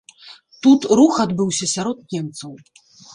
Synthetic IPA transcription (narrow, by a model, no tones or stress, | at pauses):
t̪ut̪ɾuxad̪bɨwsʲɐsʲaɾɔt̪nʲɛmt̪sɐw